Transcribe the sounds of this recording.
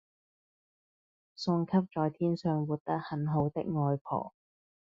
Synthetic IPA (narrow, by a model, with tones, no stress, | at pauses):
sʊ˧ŋkʰɐ˥p̚t͡ʃɔː˨jt̪ʰiː˥nsœː˨˧ŋwuː˨t̚t̪ɐ˥k̚hɐ˨˧nɦo˨˧wt̪ɪ̰˥k̚ŋɔː˧jpʰɔ̰ː˨˩